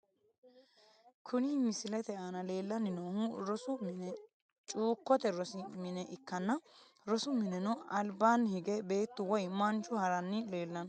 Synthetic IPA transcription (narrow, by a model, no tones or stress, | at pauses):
kʰʊnɪmɪsɪlɛt̪ɛanɐle̞ːlːɐnɪnoːhʊɾɔsʊmɪnɛ | t͡ʃʼuːkːɔt̪ɛɾɔsɪmɪnɛʔɪkːɐnːɐ | ɾɔsʊmɪnɛnɔɐlbaːnhɪɡɛbe̞ːt̪ːʊwɔjmɐnt͡ʃːʊhɐɾɐnːɪle̞ːlːɐn